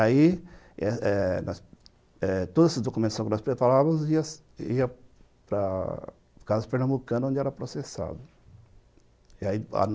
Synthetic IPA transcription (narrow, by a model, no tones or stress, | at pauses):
ai | ɛɛnɔs | ɛt̪od̪ʊzesɪzd̪okumẽnt̪ʊsõwkɪnɔspɾepaɾavɐziɐs | iɐ | pɾɐ | kazɐspeɾnɐ̃mbukɐ̃nõnd͡ʒɪɛɾɐpɾosesa̰d̪ʊ | iaia̰